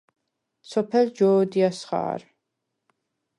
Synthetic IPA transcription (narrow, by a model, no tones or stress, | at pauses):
sɔpʰɛld͡ʒɔːd̪iasχa̰ːɾ